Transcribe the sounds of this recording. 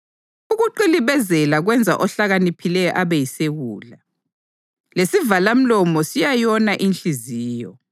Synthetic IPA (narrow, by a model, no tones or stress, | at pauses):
uɣuǃiliβɛzɛlaɣwɛnd͡zʱa̰ʔɔɬaɣanipʰilɛjɔ̰ʔaβɛjiseɣuːla | lesivalam̩lɔmɔsijajɔnaʔinɬʼiziːjɔ